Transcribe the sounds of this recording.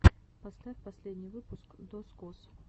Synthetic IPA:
pɐsʲlʲafpɐsʲlʲedʲnʲɪjvɨpʊskd̪oskos

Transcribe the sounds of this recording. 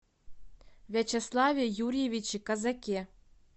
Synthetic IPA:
vʲet͡ɕeslˠɑvʲiejuɾʲjevʲit͡ɕikɑzɑkʲe

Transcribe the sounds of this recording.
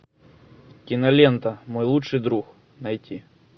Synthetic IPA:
kʲinɐlʲent̪ɐmojlˠutʂɨjd̪ɾux | nɐjtʲʰi

